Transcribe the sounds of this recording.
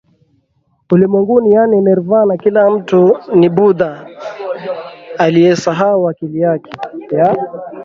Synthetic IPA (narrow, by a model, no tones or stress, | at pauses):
ulimwɛŋɡunijaninɛɾvanakilam̩tunibuda | alijɛsaɦauakilijakʰɛja